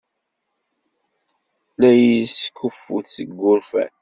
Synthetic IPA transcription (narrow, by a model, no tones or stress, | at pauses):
læjiskːufːuθːəɡːʊɾfæ̰n